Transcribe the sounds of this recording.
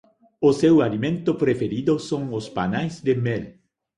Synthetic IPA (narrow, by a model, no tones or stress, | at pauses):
ʊsewalimẽnt̪ʊpɾefeɾid̪osõŋospa̰najzd̪emɛl